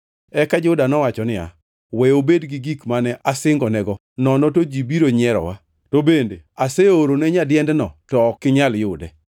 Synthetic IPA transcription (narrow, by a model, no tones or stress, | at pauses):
ɛkad͡ʒʊdanɔwat͡ʃɔnɪa̰ | wɛobedɡɪɡikmanɛʔasɪŋɡɔnɛɡɔ | nɔnɔtod͡ʒibiɾoɲɛɾɔ̰wa | tobendḛaseoɾonɛɲadjɛndɛnɔtɔːkːɪɲaljʊdɛ